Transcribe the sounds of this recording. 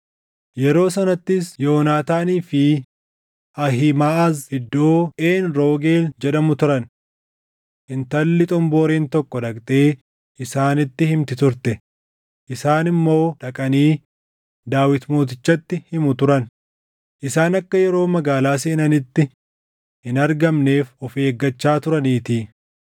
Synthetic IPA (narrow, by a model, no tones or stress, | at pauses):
jɛɾo̞ːs̬ɐnɐt̪ːɪsjo̞ːnaːt̪aːniːfɪ | ʔɐɦɪmaːʔɐzɪd̪ːo̞ːʔeːnɾo̞ːɡe̞ːld͡ʒɛᶑɐmʊt̪ʊɾɐn | ʔɪnt̪ɐlːɪt̪ʼʊmbo̞ːɾeːnt̪ɔkːɔᶑ̪ɐkt̪ʼeː | ɪsaːnɪt̪ːɪhɪmt̪ɪt̪ʊɾt̪ɛ | ʔɪsaːnɪmːo̞ːᶑɐkʼɐniː | d̪aːwɪt̪mo̞ːt̪̬ɪt͡ʃːɐt̪ːɪhɪmʊt̪ʊɾɐn | ʔɪsaːnɐkːɐjɛɾo̞ːmɐɡaːlaːs̬eːnɐnɪt̪ːɪ | hɪnɐɾɡɐmne̞ːfɔfe̞ːɡːɐt͡ʃːaːt̪ʊɾɐniːt̪iː